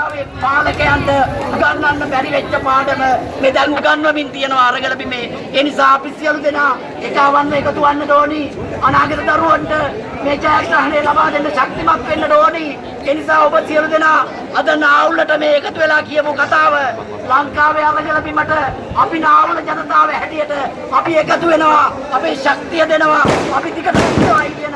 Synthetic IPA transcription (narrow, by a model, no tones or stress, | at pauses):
aʋemaːləkɐjant̪əuɡanːanːəpæɾiʋet͡ʃːəpaːɖəmə | med̪ɛnuɡanːʋɐmint̪ijənəʋaɾəɡələpimeː | nisaːɐpisijəlud̪enaː | et͡ʃaːʋanːəekət̪uʋanːəʈoːni | ɐnaːɡet̪əd̪ɐɾuʋɐnʈə | meːt͡ʃajaɾɐɦɐnejlabaːd̪enɖəʃak̚t̪imak̪ʋenːəɖoːni | eːnisaːobəsijəlud̪enaː | ɐd̪ənaːulːəʈəmeːkət̪uʋelaːkijəpukat̪aːʋə | laŋkaːʋeaʋəlijələpimɐʈə | apinaːuləd͡ʒanɐt̪aːʋəɦɛʈijəʈə | apiekət̪uʋenəʋaː | peːʃak̚t̪ijəd̪enəʋaːpit̪ikəʈ̪und̪ɐʋait̪ijən